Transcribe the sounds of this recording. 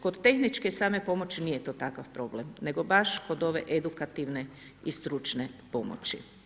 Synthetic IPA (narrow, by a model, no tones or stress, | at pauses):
ko̞d̪t̪e̞xnit͡ʃkesaːme̞po̞mo̞t͡ɕinije̞t̪oːt̪akafpɾo̞blemne̞ɡo̞baʃko̞d̪o̞ʋe̞ʔed̪ukat̪iʋne̞ | ist̪ɾut͡ʃnepo̞mo̰t͡ʃḭ